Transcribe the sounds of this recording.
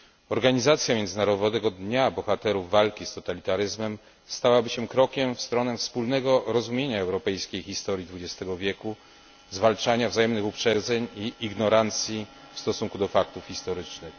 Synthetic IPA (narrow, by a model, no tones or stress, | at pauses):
ɔɾɡaɲizat̪sʲjamjɛnd̪zɘnaɾɔvɔd̪ɛɡɔd̪ɲabɔxat̪ɛɾuvːalkʲist̪ɔt̪alʲit̪aɾɘzmɛm | st̪awabɘɕɛkɾɔkʲɛmfst̪ɾɔnɛfspulnɛɡɔɾɔzumʲjeɲaɛwɾɔpɛjskʲejxʲist̪ɔɾʲjid̪vud͡ʑɛst̪ɛɡɔvʲjɛku | zvalt͡ʂaɲavzajɛmnɘxupʂɛd̪zɛɲiiɡnɔɾant̪sʲji | fst̪ɔsuŋkud̪ɔfak̚t̪ufxʲist̪ɔɾɘt͡ʂnɘx